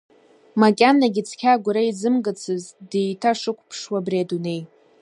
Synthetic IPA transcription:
makʲʼanːaɡʲɪt͡sʰkʲʰaɡʷʊɾaid͡zɨmɡɨt͡sʰɨzdejtʰaʂɨkʷʰʼpʰʂwabriadune̞j

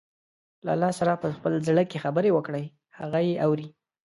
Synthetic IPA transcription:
laalːɑsaɾapəxpəlzɽəkexabəɾewəkɽəj | haɣajeʔawɾi

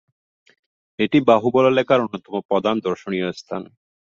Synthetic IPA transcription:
eʈibaɦubɔlalɛkaɾonːot̪ɔmopɔd̪and̪oɾʃonijost̪ʰane

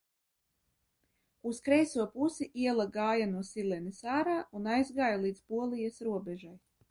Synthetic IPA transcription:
uskɾɛjsuɔpusiʔiɛlˠaɡaːjanuɔsilˠɛnisaːɾaːʔunajzɡaːjalˠiːd̪zpuɔlˠijasɾuɔbʲɛʒaj

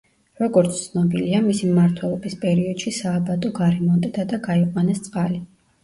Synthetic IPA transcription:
ɾɔɡɔɾt̪st̪sʰnɔbiliamisimmaɾt̪ʰwɛlˠɔbispʼɛɾiɔd̪̥ʃisaːbad̪ʼɔɡaɾɛmɔnd̪ʼɛd̪ad̪aɡaiqʼwanɛst̪sʼqʼali

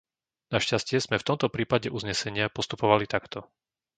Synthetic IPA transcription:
naʃcascɪɛz̥mɛft̪ɔmt̪ɔpɾiːpaɟɛʔuzɲɛsɛɲɪapɔst̪upɔʋalit̪akt̪ɔ

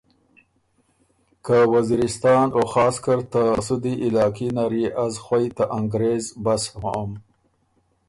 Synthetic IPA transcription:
kawaziɾɪst̪ɑːnoxɑːskaɾt̪asud̪iʔɪlɑːkinaɾiʔazxwajt̪aʔaŋɡɾezbashaam

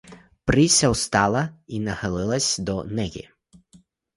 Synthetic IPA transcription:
pɾɪsʲɐwst̪ɑlˠɐinɐxɐlˠɪlˠɐsʲd̪ɔnɛɣʲḭ

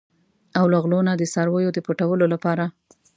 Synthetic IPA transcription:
awlaɣlonad̪əsaɾwəjod̪əpəʈawəlolapɑɾa

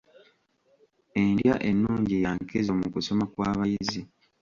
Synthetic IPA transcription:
e̞ndjaʔe̞nːuːɲɟejaŋkezomukuso̞makwaːβajizi

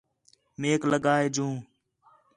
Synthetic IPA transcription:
meːkləɠaːeːd͡ʒũː

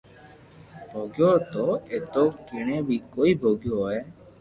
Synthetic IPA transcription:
bʱoːɡjoːt̪oːeːt̪oːkɪɳ̃ẽːbiːkoːiːbʱoːɡjoːɛː

